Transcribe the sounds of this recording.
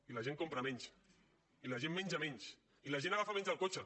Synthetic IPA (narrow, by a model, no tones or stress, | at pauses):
ilaʒeŋkompɾamɛɲs | ilaʒemːɛɲʲʒamɛɲs | ilaʒenaɣafamɛɲzalˠkot͡ʃa